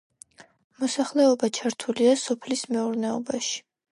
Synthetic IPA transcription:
mɔsaχlɛɔbat͡ʃʰaɾt̪ʰuliasɔpʰlismɛuɾnɛɔbaʃi̥

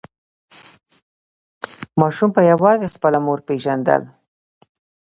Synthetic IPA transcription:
mɑʃumpəjawɑzexpəlamoɾpeʒand̪ə̰l

